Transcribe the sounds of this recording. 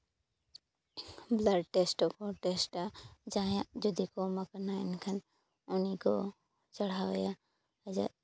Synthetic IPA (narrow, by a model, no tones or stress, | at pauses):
blaɖʈesʈɔkɔʈesʈad͡ʒajad͡ʒud̪ikoməkənaɛnkʰən | ɔniko | t͡ʃəɽ̤awja | d͡ʒa̰